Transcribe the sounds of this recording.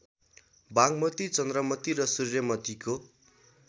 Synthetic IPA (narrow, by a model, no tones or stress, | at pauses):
baŋmʌt̪it͡sʌnd̪rʌmʌt̪iɾʌsurjʌmʌt̪iko